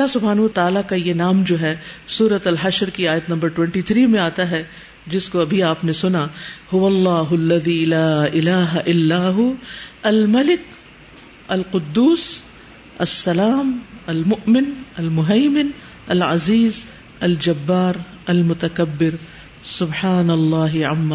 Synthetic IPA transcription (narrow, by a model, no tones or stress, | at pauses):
ɐlːasʊbʱɦaːnuɐt̪aːlakajenaːmd͡ʒoːɦɛsuːɾət̪ɐlɦɐʃɾkiaːjət̪nɐ̃mbəɾʈwɛ̃ɳʈit̪ʰɾiːmẽaːt̪aɦɛ | d͡ʒɪskoɐbʱiaːpnesʊnahʊʋɐlːɑːɦʊlːɐðiːlaːɪlaːɦaʔɪlːaːɦʊɐlmɐlɪk | ɐlqʊd̪ːuːs | ɐsːɐlaːmɐlmʊʔmɪnɐlmʊɦɐːmɪn | ɐlʕɐ̰ziːz | ɐld͡ʒɐbːaːɾ | ɐlmʊt̪ɐkɐbːɪɾ | sʊbħaːnɐlːaːɦɪʕɐmːa